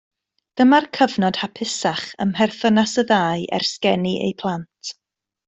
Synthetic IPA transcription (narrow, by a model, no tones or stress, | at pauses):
d̥əmarkʰəvnɔd̥hapʰɪsaχə̰mɦɛrθənasəðaːɨʔɛ̰rskɛniʔḛjpʰlˠantʰ